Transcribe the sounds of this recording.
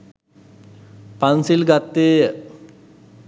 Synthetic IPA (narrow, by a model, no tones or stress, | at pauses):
pansilɡat̪ːeː